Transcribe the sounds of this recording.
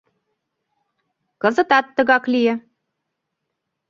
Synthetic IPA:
kɤ̆zə̆t̪ɑt̪ːə̆ɣɑklijɘ̆

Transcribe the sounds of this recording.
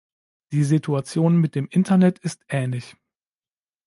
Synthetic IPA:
d̥iːzitʰuat͡sjoːnmɪt̚d̥eːmʔɪntʰɐnɛtɪstʔɛːnlɪç

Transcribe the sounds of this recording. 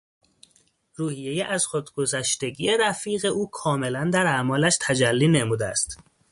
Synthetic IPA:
ruːhije̞jeʔæzxod̪ɡo̞zæʃt̪e̞ɟiːje̞ɾæfiːɣe̞ʔuːkʰɒːme̞lænd̪æɾæmɒːlæʃt̪ʰæd͡ʒælːiːne̞muːd̪eæ̰st̪

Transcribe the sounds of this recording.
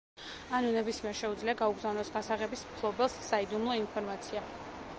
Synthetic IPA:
anunɛbismiɛɾʃɛud̪zliaɡauɡzavnɔsɡasaʁɛbismpʰlˠɔbɛlˠsːaid̪umlˠɔinpʰɔɾmat̪sʰia

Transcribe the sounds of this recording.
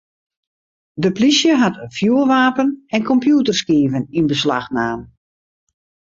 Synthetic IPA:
dəplisjəɦatfjuəlʋaːpənɛnkɔmpjuːtərskiːvəninbəsla̰xnaːn

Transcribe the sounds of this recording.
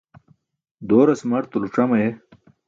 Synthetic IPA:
d̪oːɾɐsmɐɾt̪uluʈ͡ʂɐmɐje

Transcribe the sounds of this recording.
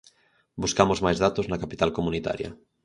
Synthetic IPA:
buskamozmajzðat̪oznakapit̪alkomunit̪a̰ɾjɐ̰

